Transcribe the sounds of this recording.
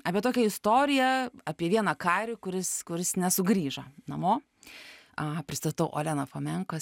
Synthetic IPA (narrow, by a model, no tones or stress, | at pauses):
ɑːpʲiɛt̪oːkʲɛɪst̪oːɾʲɪjɛɑpʲiɛʋʲiɛnɐkɑːɾʲɪkʊɾʲɪskʊɾʲɪsnʲɛsʊɡɾʲiːʒɐnɐmoː | ɐpʲɾʲɪst̪ɐt̪ɐʊʔo̰ːlʲæːnɐfoːmʲɛŋko